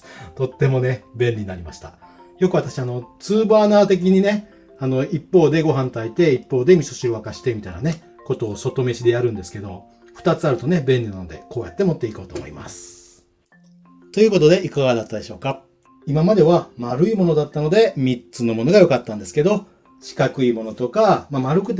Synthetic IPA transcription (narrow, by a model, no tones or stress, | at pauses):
t̪o̞t̪ːe̞mo̞ne̞bẽ̞nʲiɲinaɾʲimaɕi̥t̪a | jo̞kɯ̟at̪aɕiano̞t͡sɨːbaːnaːt̪e̞k̬ʲiɲ̟ine̞ | ano̞ipːo̞ːd̪e̞ɡo̞ɦãnt̪ait̪e̞ipːo̞ːd̪e̞mʲisoɕiɾoβakaɕi̥t̪e̞mʲit̪ainane̞ | ko̞t̪o̞ːso̞t̪o̞me̞ɕid̪e̞jaɾɯ̟̃nd̪esɨ̥ke̞d̪o̞ | ɸɯ̟̥t̪at͡sɨaɾɯ̟t̪o̞ne̞bẽ̞nːʲinano̞d̪e̞ko̞ːjat̪ːe̞mo̞t̪ːe̞iko̞ːt̪oːmo̰ḭma̰sɨ̥ | t̪o̞jɯ̟ːko̞t̪o̞d̪e̞ʔikaɡad̪at̪ːad̪e̞ɕo̞ːka | imamad̪e̞βamaɾɯ̟imo̞no̞d̪at̪ːano̞d̪e̞mʲitt͡sɨno̞mo̞no̞ɡajo̞kat̪ːãnd̪e̞sɨ̥ke̞d̪o̞ | ɕi̥kakɯ̟imo̞not̪o̞kamamaɾɯ̟kɯ̟t̪̬